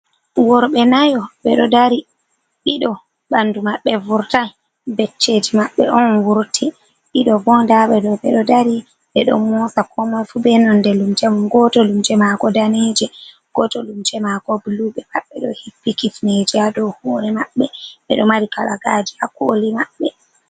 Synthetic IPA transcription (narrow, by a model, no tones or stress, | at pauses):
wɔɾɓɛnajɔɓɛɗɔdaɾi | ɗiɗɔ | ɓandumaɓːɛvuɾtan | bɛt͡ʃːed͡ʒimaɓːɛ̰ʔɔnwuɾtʰi | ɗiɗɔbɔndaɓɛdɔɓɛɗɔdaɾi | ɗɛɗɔ̰mmɔsakʰɔmajfubɛnɔndɛlumd͡ʒɛmumɡɔtɔlumd͡ʒɛmaɡɔdaned͡ʒɛ | ɡ̥ɔtɔlumt͡ʃɛmakɔbuluɓɛmaɓːɛɗɔhipːikitned͡ʒiadɔhoːɾɛmaɓːɛɓɛɗɔmaɾikalaɡad͡ʒiakolimaɓːɛ